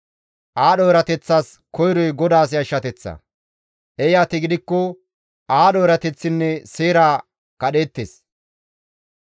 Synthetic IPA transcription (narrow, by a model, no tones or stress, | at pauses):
ʔaːɗɔjɾɐt̪ɛt͡sːaːs | kɔjɾɔjɡɔd̪aːs̬ɪɐʃːɐt̪ɛt͡sːɐ̰ | ʔɛjaːt̪ɪɡɪd̪ɪkːɔ | aːɗɔjɾɐt̪ɛt͡sːɪnːɛseːɾaː | kɐɗe̞ːt̪ːeːs